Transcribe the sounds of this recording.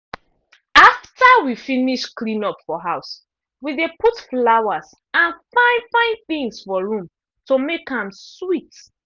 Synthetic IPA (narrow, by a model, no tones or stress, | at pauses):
aftʰawifiniʃklĩnɔpfɔɦaʊs | wiðeputflawaz | ãnfãɪ̃nfãɪ̃nθĩŋsfɔɹũm | tomekãmswit